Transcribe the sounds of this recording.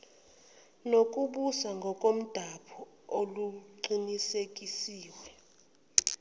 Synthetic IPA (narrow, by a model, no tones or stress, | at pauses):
nok̬ʼuɓusaŋɡʱɔkʼom̩d̥ʱapʰɔ | oluǃinisek̬ʼisiːwɛ